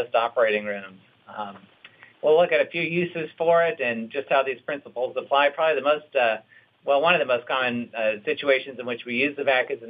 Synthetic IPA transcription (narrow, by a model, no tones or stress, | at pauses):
ʊstɑpə˞eɪɾɪ̃ŋɹʉ̃mz̥ | wilʊkɨɾɨfjʉjʉsɨz̥fə˞ɪɾɨ̃nd͡ʒʌst̚haʊðiz̥pʰɹ̥ɪ̃nsəpl̩ˠzəpʰl̥aɪpʰɹ̥ɑbəbiðɨmoʊstʌ | wɛlˠwʌ̃nʌvðəmoʊskʰɑmɨ̃nsɪt͡ʃueɪʃɨ̃nzɨ̃nwɨt͡ʃwijʉzðɨvækɨzɨ̃